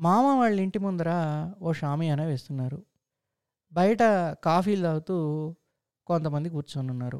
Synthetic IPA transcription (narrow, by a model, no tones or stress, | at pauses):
maːmɐʋaːɭːiɳʈimund̪ɐɾaːoːʃaːmijɐneːʋe̞ːst̪unːaːɾu | bɐjɐʈɐkaːfiːld̪aːwut̪uː | kont̪ɐmɐnd̪ikuːɾt͡ʃonunːaːɾṵ